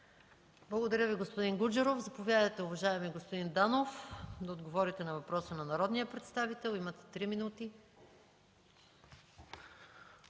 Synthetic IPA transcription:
blˠɐɡod̪ɐɾʲəviɡospod̪inɡud͡ʒɛɾovzɐpovʲjad̪əjt̪ɛʊvɐʒaɛmiɛɡospod̪ind̪anofd̪ɐod̪ɡovɔɾit̪ɛnɐvɐpɾɔsənɐnɐɾɔd̪nijəpɾɛt̪st̪avit̪ɛlˠimɐt̪ɛ̥t̪ɾiminut̪i

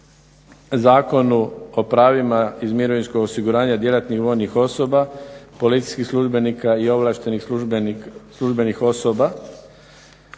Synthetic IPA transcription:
zaːko̞nuo̞pɾaːʋimaizmiɾo̞ʋinskoɡosiɡuɾaːɲad̪je̞lat̪nixʋo̞jnixo̞so̞bapo̞lit̪si̥jskixslˠuʒbe̞nikaio̞ʋlˠaːʃt̪e̞nix | slˠuʒbe̞nixo̞so̞ba

